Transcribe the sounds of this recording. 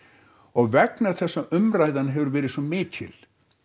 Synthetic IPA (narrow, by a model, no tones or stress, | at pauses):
ɔɣvɛknaɾ̥θɛsːaʔʏmraːjðanɦɛvʏɾvɛːɾɪðsɔmɪːt̪ʰɪ̰l